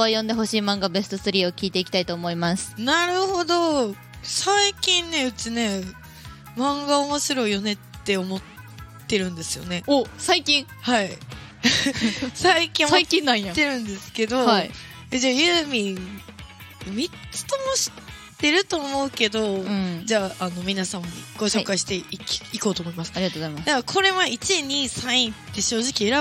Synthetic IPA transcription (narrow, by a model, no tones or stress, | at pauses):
βajõ̞nd̪e̞ɦo̞ɕiːmãŋɡabe̞sɨ̥t̪o̞sɨɾʲiːo̞kʲiːt̪e̞ikʲi̥t̪ait̪o̞ːmo̞imasɨ̥naɾɯ̟ho̞d̪o̞ | saikʲĩnːe̞ɯ̟t͡ɕine̞ | mãŋɡao̞mo̞ɕiɾo̞ijo̞ne̞t̪ːe̞omo̞t̪ː | e̞ɾɯ̟̃nd̪e̞sɨjo̞̰ne̞osaikʲĩŋhai | saikʲĩoaikĩããt̪ːe̞ɾɯ̟̃nd̪e̞sɨ̥ke̞d̪o̞i | ed͡ʑaːjɯːmʲĩ | mʲit͡sɨ̥t̪omoɕi̥ | t̪e̞ɾɯ̟t̪o̞ːmo̞ɯ̟ke̞d̪o̞d͡ʑaːano̞mʲinasãmaɲiɡ̥oɕo̞kaiɕi̥t̪e̞kiko̞ːt̪oːmo̞imasɨ̥aɾiatoamad̪akʰo̞ɾe̞mait͡ɕiɲ̟isãɰ̃ĩt̪ːe̞ɕo̞ːʑikʲie̞ɾa